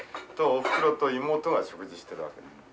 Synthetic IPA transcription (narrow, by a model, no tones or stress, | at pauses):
t̪oːɸɯ̥kɯ̟ɾot̪oimo̞ːt̪oɡaɕo̞kɯ̟ʑiɕi̥t̪e̞ɾɯ̟βa̰ke